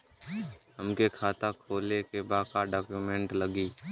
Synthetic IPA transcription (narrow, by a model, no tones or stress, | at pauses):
ɦəmkekʰaːt̪akʰoːlekebaːkaɖaːkjumẽɳʈləɡiː